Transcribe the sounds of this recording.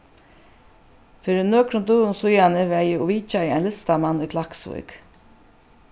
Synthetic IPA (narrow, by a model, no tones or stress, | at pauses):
fɪɾɪnøːkɾʊnd̪uːʊnsʊjanəʋɛjɪɔʋiːt͡ʃajɪajnlɪst̪amanːʊkʰlaksvʊ̰jk